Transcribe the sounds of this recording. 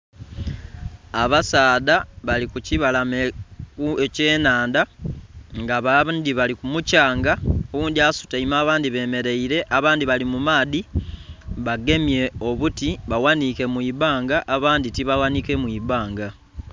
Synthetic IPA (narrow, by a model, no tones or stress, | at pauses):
aβasaːðaβalikuciβalamekue̞ce̞ːnaːnda | ŋɡaβandiβalikumucaːŋɡaowuːndiasu̥taimaːβaːndiβe̞ːme̞ɾe̞iɾe̞ʔaβaːndiβalimumaːði | βaɡe̞mje̞o̞βutiβawanike̞mwiːβaːŋɡaʔaβaːnditiβawanike̞mwiβaːŋɡa